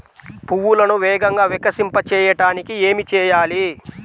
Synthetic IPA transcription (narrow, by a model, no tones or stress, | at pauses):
puwulɐnuʋɛːɡɐŋɡaːʋikɐsimpɐt͡ʃɛːjɐʈaːnikie̞ːmit͡ʃɛːjaːli